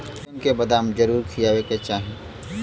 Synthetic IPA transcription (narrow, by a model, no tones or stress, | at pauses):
ɪmkebɐd̪aːmd͡ʒɐɾuːɾkʰijaːweket͡ʃaːɦĩ